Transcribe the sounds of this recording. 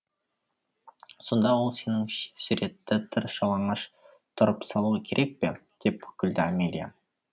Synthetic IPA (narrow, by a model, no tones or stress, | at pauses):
so̞nd̪ɑwo̞lˠse̞nɪŋʃsʏɾe̞t̪ːɪt̪ʰɪɾʃɑwˠɑɴəʃ | t̪ʰʊɾəpsɑlˠuəkʲʰe̞ɾʔe̞k̚pe̞d̪̥e̞p̚ɵkʲɪld̪ɪamʲelʲija̰